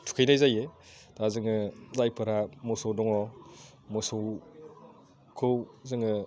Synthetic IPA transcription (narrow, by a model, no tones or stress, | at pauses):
tʰu̥kʰejnajzajetʰazɯŋɯzajpʰɯɾamɔsɔwdɔŋɔ | mɔsow | kʰɯwzɯŋɯ